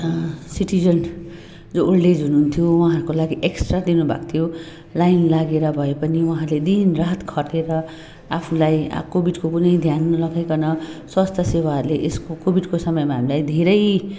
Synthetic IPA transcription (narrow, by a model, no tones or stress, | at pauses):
siʈid͡zʌn | d͡zooɽɖed͡zʱɦunuɦunt̪ʰjowaɦaɾukolaɡiʔeksʈrad̪inubʱa̰k̚t̪ʰjo | lajnlaɡeɾʌbʱʌepʌniwʌ̃ɦaɾled̪inraɦt̪kʰʌʈeɾʌ | apʰulaj̰kobʱiɖkokunʌjd̪ʱjanlʌɡajkʌnʌswʌst̪ʰʌsewauɾleʔeskokobʱiɖkosʌmʌjmaɦamilajd̪ʱeɾʌj